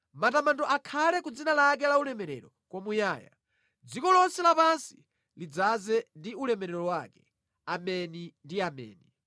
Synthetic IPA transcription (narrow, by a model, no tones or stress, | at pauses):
matamandɔʔakʰalɛkud͡zinalak̬ɛlaulɛmɛɾɛ̰ɾɔ | kwɔmujaːja̰ | d͡zikɔlɔnsɛlapansi̥ | lid͡zazɛndiulɛmɛɾɛɾɔɔwakɛ | amɛnindiamɛ̰ːnɛ